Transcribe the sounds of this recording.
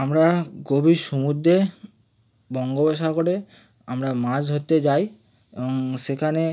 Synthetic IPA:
amɾaɡobʱiʃumud̪ːe | bɔŋɡobaʃakoɾe | amɾamad͡ʑɦot̪ːed͡ʑaj | eboŋʃekʰane

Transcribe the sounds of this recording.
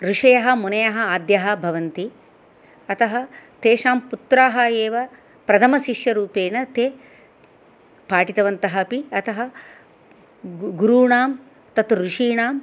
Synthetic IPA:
ɾuʂɐjɐɦɐ̆munɐjɐɦɐaːd̪jɐɦɐ̆bʱɐʋɐnt̪i | ɐt̪ɐɦɐt̪eːʂaːmput̪ɾaːɦɐjeːʋɐ | pɾɐt̪ʰɐmɐʃiʃjɐɾuːpeːnɐt̪eː | paːʈit̪ɐʋɐnt̪ɐɦɐpiɐt̪ʰɐɦɐ | ɡuɾuːɳaːm | t̪ɐt̪ɾuʂiːɳaːm

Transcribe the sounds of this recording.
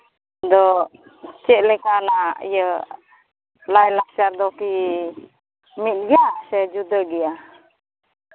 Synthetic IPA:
d̪ɔ | t͡ʃɛʔ̚lɛkanaḭjə | lajlak̚t͡ʃaɾd̪ɔki | mit̪̚ˀɡɛjasɛd͡ʒud̪əɡɛja

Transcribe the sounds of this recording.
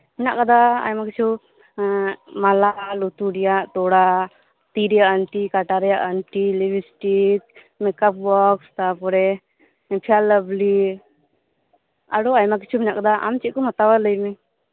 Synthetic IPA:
mɛnaʔkad̪aa̰jmakit͡ʃʰu | malalut̪uɖijaʔt̪ɔɽa | t̪iɾijaʔəɳʈikaʈaɾɛjaʔəɳʈilibisʈik | mɛkap̚bɔkst̪apɔɾɛ | pʰialəbli | a̰ɽɔajmak̬it͡ʃʰumɛnaʔkad̪aʔa̰mt͡ʃikɔmat̪awaləjmɛ

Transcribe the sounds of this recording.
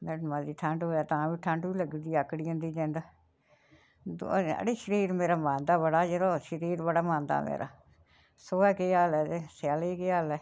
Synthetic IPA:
mɛːmaziːʈʰəɳɖɦoːjaːt̪ãːʋiːʈʰə̃ɳɖʋiːləɡd̪iːəkːɽiːʊ̃nd̪iːd͡ʒẽːnd̪aː | a̰ːɽiːʃəɾiːɾmeːɾaːmãːnd̪aːbəɽaːd͡ʒəɾoːʃəɾiːɾbəɽaːmãːnd̪a̰ːmḛːɾʔa̰ː | soːɛːkeːaːlɛːt̪eːsaːlekeaːlɛː

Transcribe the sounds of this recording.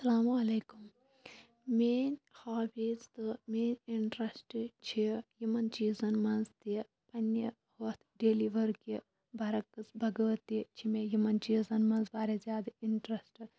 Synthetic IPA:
sɐlaːmɐleːkum | meːnʲhaːbiːzt̪ɨmeːnʲiɳʈɾɐsʈt͡ʃʰijimɐnt͡ʃiːzɐnmɐnzt̪i | pɐnʲːi | ɦɐt̪ʰɖeːliʋɐɾki | bʱɐɾɐkːɨt͡sbʱɐɡɐʋɐt̪ːit͡ʃʰimejimɐnt͡ʃiːzɐnmɐnzbaːɾezʲjaːd̪ɨiɳʈɾɐsʈɨ

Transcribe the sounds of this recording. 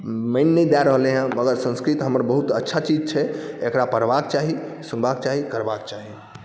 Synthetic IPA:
məɪnːəd̪aɾəɦleɦə̃əɡəɾsə̃nskɾit̪ɦəməɾbəɦut̪ətːʃʰat͡ʃid͡ʒt͡ʃʰɛekɾapəɾbak̚t͡ʃaɦisunbak̚t͡ʃaɦikəɾbakt͡ʃaɦi

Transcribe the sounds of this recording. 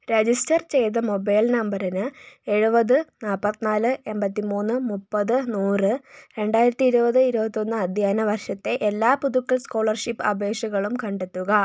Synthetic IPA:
ɾed͡ʑistɐrt͡ɕe̞jt̪ɐmo̞bɐjlnɐmbɐɾɐnɨe̞ɻubɐðɨnaːlpɐt̪ːinaːlɨe̞mbɐt̪ːimuːnːɨmupːɐðɨnuːrɨɾe̞ɳɖaːjiɾɐt̪ːiiɾubɐðɨiɾubɐt̪ːjo̞nːɨɐd̪ʱjaːnɐʋɐrʂɐt̪ːe̞ʔelːaːpuðukːɐɭsko̞ːɭɐrʂipːɐbʱe̞ːʂɐɣɐɭumkɐɳɖe̞t̪ːuɣɐ

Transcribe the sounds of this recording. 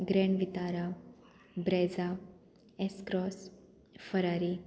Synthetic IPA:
ɡɾɛɳʋit̪aɾa | bɾɛd͡za | eskɾɔs | fəɾaɾi

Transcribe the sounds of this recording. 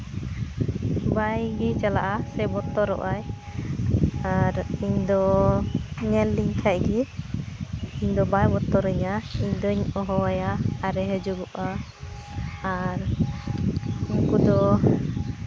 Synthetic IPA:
bajɡit͡ʃala̰ʔasɛbɔt̪ɔɾɔ̰ʔaj | aɾiɲd̪ɔ | ɲɛlːiɲkʰaʔ̚ɡi | iɲd̪ɔbajbɔt̪ɔɾəɲaiɲd̪ɔɲɔɦɔwajaːɾɛɦɛd͡ʒuɡɔʔa | ɾ | uŋkud̪ɔ

